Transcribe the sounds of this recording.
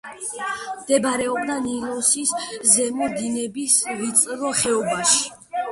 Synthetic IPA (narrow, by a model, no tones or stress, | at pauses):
md̪̥ɛbaɾɛɔbd̪anilˠɔsiszɛmɔd̪inɛbisɾit̪sʼɾɔχɛɔbaʃi̥